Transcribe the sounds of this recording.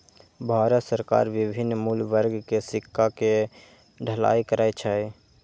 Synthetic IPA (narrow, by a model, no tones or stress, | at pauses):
bʱaːɾət̪səɾka̰ːɾʋɪbʱɪnːmuːlʋəɾɡʱkesɪkʰːake | ɖʱəla̰ːikəɾaːet͡ʃʰae